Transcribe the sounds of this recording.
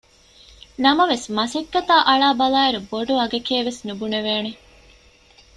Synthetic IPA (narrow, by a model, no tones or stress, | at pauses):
nɐmɐʋesmɐsekːɐt̪aːʔɐɭaːbɐlaːeɾuboɖuɐɡɐkeːʋesnubuneʋeːne